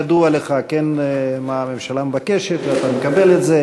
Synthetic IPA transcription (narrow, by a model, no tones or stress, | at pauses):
ad̪ualeχakenmaːmemʃalambakeʃet̪veat̪amekabeletze